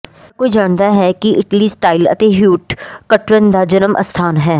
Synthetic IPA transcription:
koːid͡ʒaːɳd̪aɦɛkiɪʈlisʈaːɪlɐ̰t̪eɦjuːʈkɐʈɾə̃nd̪ad͡ʒɐnəmʔɐ̰st̪ʰaːnɦɛː

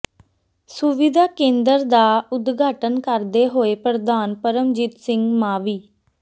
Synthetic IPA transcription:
sʊʋɪd̪aːkẽːnd̪əɾd̪aːʊd̪ɡaːʈənkəɾd̪eːɦoːeːpɾəd̪aːnpəɾəmd͡ʒiːt̪sɪŋɡmaːʋiː

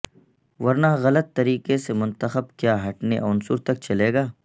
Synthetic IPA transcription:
wɐɾnaːɣɐlət̪ːɐɾiːkesemʊ̃nt̪əxəbkjaːɦɐʈnḛʔɔnsuɾt̪ɐk̚t͡ʃɐleːɡaː

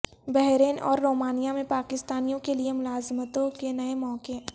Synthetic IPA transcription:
bɛɦɾeːnɔ̰ːɾːoːmaːnijamẽpaːkɪst̪aːnijõkeliemʊlaːzmət̪õkenɐemɔːke

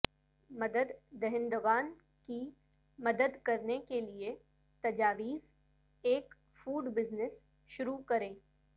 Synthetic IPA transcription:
mɐd̪əd̪ːɛɦɪ̃nd̪oɡaːn | ki | mɐd̪əd̪kɐɾnekelie | t̪ɐd͡ʒaːʋiːz | eːk | fuːɖbɪznɪs | ʃʊɾukɐɾẽː

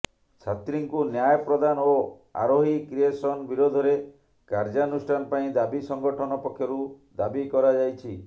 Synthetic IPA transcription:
t͡ʃʰat̪ɾiŋkunjajɔpɾɔd̪ano | a̰ɾoɦikɾiesɔnbiɾod̪ʱɔɾe | kaɾd͡ʒaɔnusʈʰanɔpaĩd̪abisɔŋɡɔʈʰɔnɔpɔkʰjɔɾu | d̪abikɔɾad͡ʒajt͡ʃʰi

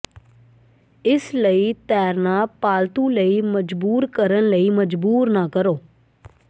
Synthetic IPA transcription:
ɪsləiːt̪ɛːɾnaːpaːlt̪ũːləiːməd͡ʒbuːɾkəɾənləiːməd͡ʒbuːɾnaːkəɾoː

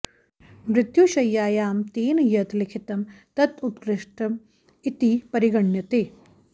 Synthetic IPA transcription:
mɾɪt̪juɕɐjːaːjaːmt̪eːnjɐt̪likʰit̪ɐmt̪ɐt̪ut̪ɡɾɪʂʈɐm | it̪ipɐɾiɡɐɳjɐt̪eː

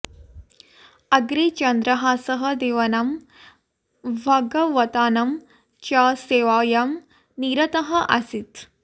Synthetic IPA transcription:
ɐɡɾeːt͡ʃɐnd̪ɾɐɦaːsɐɦɐ̆d̪eːʋɐnɐm | ʋʱɐɡɐʋɐt̪aːnɐm | t͡ʃaseːʋaːjɐm | niɾɐt̪ɐɦɐʔɐsit̪

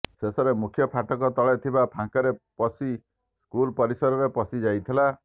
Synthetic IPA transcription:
sesɔɾemukʰjɔpʰaʈɔkɔt̪ɔɭet̪ʰibapʰãŋkɔɾepɔsi | skulpɔɾisɔɾɔɾepɔsid͡ʒajt̪ʰila

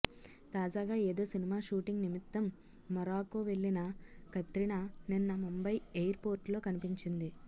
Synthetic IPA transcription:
t̪aːd͡ʒaːɡaːe̞ːd̪o̞ːsinimaːʃuːʈiŋɡnimit̪ːɐmː | ɐɾaːkuːʋe̞ɭːinɐkɐt̪ɾiɳɐninːɐmumbɐjejɐɾpo̞ːɾʈlo̞ːkɐnipiɲt͡ʃind̪i

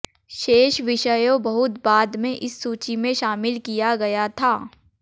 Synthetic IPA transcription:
ʃeːʃʋɪʃəjõbɐɦʊt̪baːd̪mẽʔɪsːuːt͡ʃimẽʃaːmɪlkijaɡɐjat̪ʰaː

